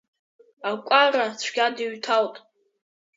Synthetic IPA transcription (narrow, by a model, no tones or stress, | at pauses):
akʷʼarat͡ɕʷʰɡʲadiɥtʰaltʼ